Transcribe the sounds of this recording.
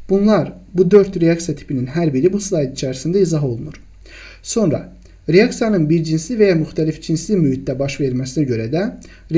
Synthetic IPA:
b̥unlˠɑɾbud̪ø̞ɾt̪ɾeɑksijɑt̪ʰi̥pʰininɦæɾbiɾibuslˠɑjd̪it͡ʃʰæɾisind̪æizɑɦo̞lˠunuɾ | so̞nɾɑ̰ | ɾeɑksijɑnɯnbiɾd͡ʒinslivejɑmyxt̪ʰælifd͡ʒinslimyhit̪̚d̪æbɑʃve̞ɾmæsinæɟø̞ɾæd̪æ | ɾ

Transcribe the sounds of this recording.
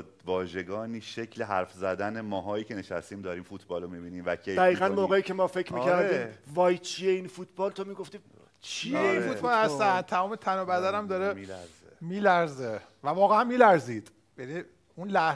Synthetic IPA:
vɒːʒe̞ɡɒːniːʃecʰleɦæɾfzæd̪ænemɒːɦɒːjiːcʰeneʃæ̰st̪iːmd̪ɒːɾiːmfut̪ʰbɒːlomibiːniːmvækʰejd̪æɣiːɣænmoːɣeiːcʰʲe̞mɒːfe̞cʰɾmiːcʰæɾd̪iːmvɒːjt͡ʃʰie̞infuːt̪ʰbɒːlt̪ʰomiːɡo̞ft̪iː | t͡ʃʰieinfut̪bɒːlhæst̪æn̚t̪ʰæmɒːmet̪ʰænobæd̪ænæmd̪ɒːɾemilæɾz | miːlæɾzevævɒːɣeænmiːlæɾziːd̪̥ | jani | unlæh

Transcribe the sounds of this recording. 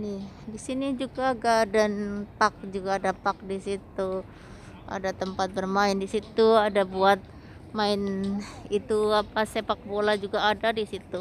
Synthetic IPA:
nɪh | disinid͡ʒuɡaɡadanpak̚d͡ʒuɡaːdapak̚disit̪u | a̰dat̪əmpat̪̚bərmaɪndisit̪uadabuat̪̚ | maɪnit̪uapasepak̚bolad͡ʒuɡaːdadisit̪u

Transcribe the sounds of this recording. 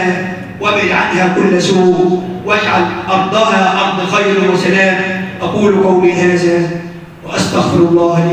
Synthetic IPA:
a | wabɪd̪ʕa̰t̪hakʊlːsuːɡ | wad͡ʒʕalʔɑɾˤd̪ˤɑːɦaʕɑɾˤd̪ˤxajɾɪwɪsalaːmʔɑquːlqawmiɦaːða | wɪʔast̪aɣfɪɾɑlˤːɑːhɪ

